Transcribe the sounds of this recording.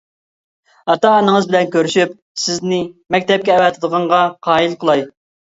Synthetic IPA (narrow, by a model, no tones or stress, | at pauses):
ɑt̪ɑːnəŋəzbɪlɛnkʲʰøɾyʃyp̚ | sɪznɪmɛkʲt̪ɛp̚kʲɛːwɛt̪ʰɨd̪əʁɑɴʁɑqʰɑːilˠqʰəlˠɑj